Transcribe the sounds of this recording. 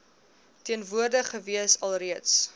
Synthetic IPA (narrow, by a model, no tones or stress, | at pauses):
tiənvuərdəχəviəsɐlˠriəts